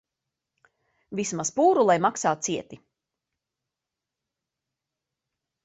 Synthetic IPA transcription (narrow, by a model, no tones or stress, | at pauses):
vismaspuːɾulˠajmaksaːt̪̚siɛt̪i